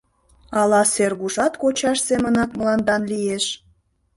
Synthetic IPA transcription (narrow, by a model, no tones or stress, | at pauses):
ɑlɑserɣuʃɑt̪kot͡ɕɑʃsemənɑk̪̚mlɑnd̪ɑnlijeʃ